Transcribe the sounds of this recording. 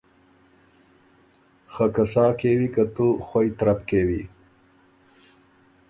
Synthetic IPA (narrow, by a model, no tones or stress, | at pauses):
xakasɑːkewikat̪uxojt̪ɾapkewḭ